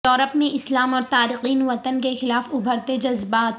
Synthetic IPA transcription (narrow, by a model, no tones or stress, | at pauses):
ɔːɾəpmẽɪslaːmɔːɾt̪aːɾɪxiːnʋɐt̪ənkexɪlaːfʊbʱəɾt̪ed͡ʒɐzbaːt̪